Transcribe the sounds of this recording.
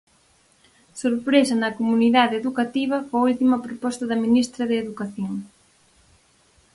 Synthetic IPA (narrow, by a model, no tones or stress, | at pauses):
soɾpɾesɐnɐkomuniðaðeðukat̪iβ̞ɐfoult̪imɐpɾopɔst̪ɐðɐminist̪ɾɐðeːðukaθjoŋ